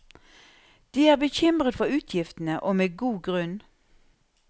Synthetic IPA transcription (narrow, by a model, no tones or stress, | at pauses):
d̪̥iːæːʁbəçɪmʁət̪fɔʁʉːt̪ʰjɪft̪n̩əʔoːmeːɡuːɡʁʉn